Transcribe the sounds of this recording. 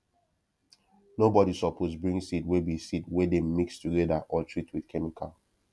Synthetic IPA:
nobɔɾisɔpʰosbɹĩŋsitwɛbisitwɛdemikstuɡɛdaʔɔtʰɹitʰwidkʰɛmikʰal

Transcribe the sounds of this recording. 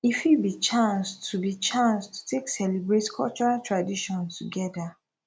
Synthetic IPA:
ifibit͡ʃãnstubit͡ʃãnstu̥tʰeksɛlibɹetkʰɔ̰lt͡ʃɔɹatɹadiʃɔ̃ntuɡɛda

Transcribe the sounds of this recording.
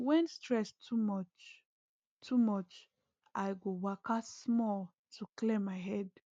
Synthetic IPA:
wɛ̃nstɹɛstʰumɔt͡ʃ | tʰumɔt͡ʃ | ʔajɡowakasmɔl | tʰuklẽmaɪɦɛd

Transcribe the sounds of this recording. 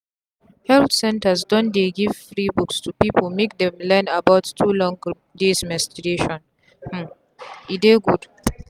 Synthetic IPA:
hɛltsɛ̃ntasdɔ̃ndeɡiv̥fɹibukstʰupipəlmek̚dɛ̃mlɛnabaʊtːʰulɔ̃ŋ | desmɛstiɡeʃɔ̃n | h̩ | ideɡud̥

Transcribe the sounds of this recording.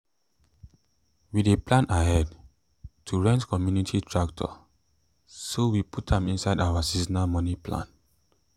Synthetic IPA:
wideplãnaɦɛd | tʰuɹɛ̃ntkɔmjunitʰitʰɹaktʰɔ̰ | sowipʰutɛ̃mĩnsaɪdaʊwasisnamɔniplã̰n

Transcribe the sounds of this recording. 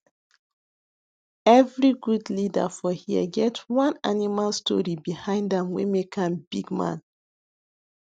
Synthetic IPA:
ɛvɹiɡudlida̰fɔhiə̰ɡɛtwãnanimalstʰɔ̰ɹibihãɪ̃ndãmwḛmekʰãmbiɡmã̰n

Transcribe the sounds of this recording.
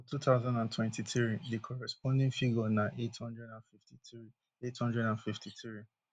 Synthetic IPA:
tutaʊzãndãntʰwɛ̃ntitɹidekʰɔɹɛspɔ̃ndɛ̃nfiɡɔnaʔethɔ̃ndɹɛdãnfiftitɹi | ethɔ̃ndɹɛdãnfiftʰitɹi

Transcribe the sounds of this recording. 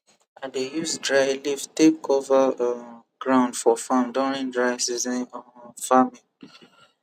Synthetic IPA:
ʔadejusdɹaɪlivtepkʰɔva | ɡ̥ɹãʊ̃ndfɔfãmdɔɹĩndɹaɪsizɛ̃nɔfamĩ

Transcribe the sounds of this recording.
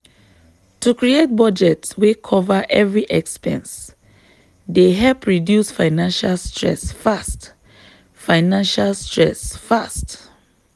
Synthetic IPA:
tʰukʰɹiet̚bɔd͡ʒɛtswekʰɔvaʔɛvɹiʔɛkspɛ̰̃ns | deɦɛlpʰɹidjusfaɪnãnʃalstʰɹɛ̰sfast | faɪnãnʃalstɹɛsfast

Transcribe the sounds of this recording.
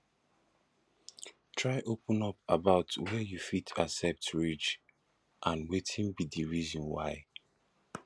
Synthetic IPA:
tʰɹaɪʔopə̃nɔpabaʊtwɛjufitʰasɛp̚tɹid͡ʒ | ʔãnwetʰĩnbidiɹizɔ̃nwa̰ɪ

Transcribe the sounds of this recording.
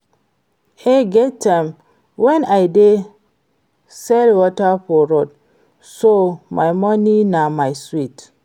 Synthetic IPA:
eɡɛtːam | wɛnajde | sɛlwɔtafɔɾod̚ | somʔa̰jmɔninamajswit

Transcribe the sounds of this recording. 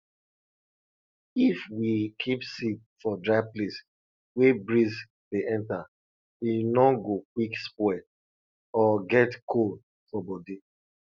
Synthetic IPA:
ifwikʰipsik̚ | fɔdɹaɪples | webɹiz | leʔɛ̃nta | winɔɡok̚wikspwɛ | ɔɡɛtkʰold̚ | fɔbɔdi

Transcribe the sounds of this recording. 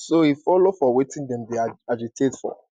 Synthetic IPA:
sohifɔlofɔwetĩndɛ̃mdeaad͡ʒitʰetfɔ̰

